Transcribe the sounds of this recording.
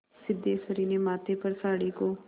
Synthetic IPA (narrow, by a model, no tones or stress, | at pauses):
sɪd̪ːeːsəɾiːneːmaːt̪eːpəɾsaːɽiːkoː